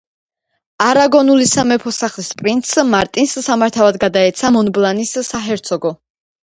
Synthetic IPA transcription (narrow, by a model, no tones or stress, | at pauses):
aɾaɡɔnulisamɛpʰɔsaχlispʼɾint̪sʰmaɾt̪ʼinsːamaɾt̪ʰavad̪ɡad̪aɛt̪sʰamɔnblˠanisːaɦɛɾt̪sʰɔɡɔ